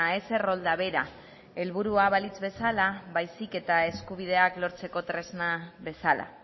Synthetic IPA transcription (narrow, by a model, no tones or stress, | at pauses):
ae̞se̞ro̞ld̪aβe̞ɾa | e̞lβuɾuaβalit͡sβe̞salaβajsike̞t̪ae̞skuβ̞ið̞e̞aklo̞ɾt͡se̞ko̞t̪ɾe̞znaβe̞sala̰